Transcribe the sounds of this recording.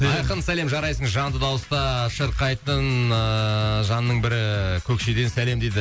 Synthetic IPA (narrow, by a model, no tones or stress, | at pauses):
ɑɑjqənsæle̞mʒɑɾɑjsəɴʒɑnt̪əd̪ɑwəst̪ɑʃəɾqɑjt̪ənəʒɑnːəɴbɪɾɪkʲʰɵkʃe̞d̪e̞nsæle̞md̪ejd̪ɪ